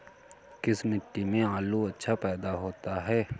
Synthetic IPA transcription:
kɪsmɪʈːimẽaːluɐtːʃʰapɛːd̪aɦoːt̪aɦɛː

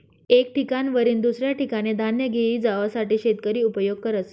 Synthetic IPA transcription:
ek̚ʈikanʋəɾiːnd̪usɾjaʈikaɽ̃ed̪ʱanjəɡʱeiːd͡zaʋasaʈiːɕet̪kəɾiːupəjoɡ̚kəɾət̪s

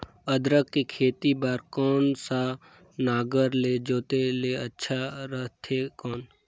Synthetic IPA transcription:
əd̪ɾəkːikʰeːt̪ibaːɾkɔːnsa | naːɡəɾleːd͡ʒoːt̪eleːətːʃʰaɾəɦt̪ʰeːkɔːn

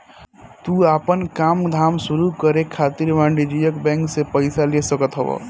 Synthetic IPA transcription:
t̪uaːpənkaːmd̪ʱaːmsuɾukəɾekʰat̪iɾmãɳɖid͡ʒijəkbɛ̃ːŋksepəɪsalesəkət̪ɦəbə̰

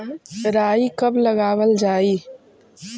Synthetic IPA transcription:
ɾaːikɐblɐɡaːwəld͡ʒaːiː

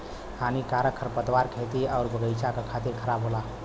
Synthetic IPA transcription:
hanikaɾəkʰːəɾpəd̪ʋaɾkʰet̪iaʊɾbəɡəjt͡ʃakəkʰat̪iɾkʰəɾabɦola

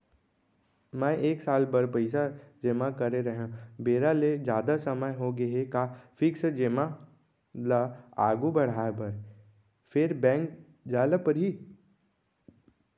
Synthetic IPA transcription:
mɛ̃ːʔeːksaːlbɐɾpəɪsad͡ʒemakɐɾeɾɐɦãbeːɾaled͡ʒjaːd̪asɐməjɦoɡɐɦekafɪksd͡ʒema | laa̰ːɡubɐɽ̤aːbɐɾ | fɪɾbɛ̃ːŋk | d͡ʒaːləpɐɾɦiː

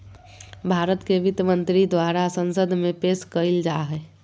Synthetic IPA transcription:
bʱaɾət̪keʋit̪jəmənt̪ɾid̪waɾasənsəd̪ʱmepeskəɪld͡ʒaɦɛ

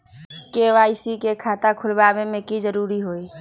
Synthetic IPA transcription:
keːʋaːisikekʰaːt̪akʰʊlbaːbẽmẽkizəɾuːɾiɦoːiː

